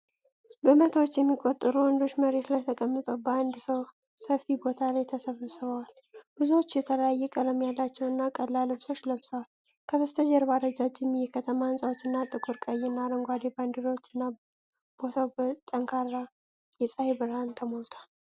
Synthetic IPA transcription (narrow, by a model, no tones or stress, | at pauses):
bəmət̪ʰəwot͡ʃːjɛmːikʼot̪ʼːɨɾuwɔnd̪o̞t͡ʃːməɾe̞t̪lajt̪ʰəkʼəmːɨt̪ʼəwbəand̪səw | səfibo̞t̪ʰalajt̪ʰəsəβəsɨβəwal | b̥ɨzuwot͡ʃːjɛt̪ʰələjajːɛkʼələmjalːat͡ʃːɛwɨnːakʼəllːalɨβso̞t͡ʃːləβsʼəwal | kʰəβəst̪ʰəd͡ʒɛɾbaɾəd͡ʒad͡ʒɪmjɛkʰət̪ʰəmaɨnsʼawot͡ʃːɨnːat̪ʼɨkʼuɾkʼəjɨnːaɾəŋɡʷad̪eband̪ɨɾowot͡ʃːɨnːa | b̥o̞t̪ʰawbt̪ʼəŋkʰaɾa | jɛsʼaebɨɾhant̪ʰəmolt̪ʰwal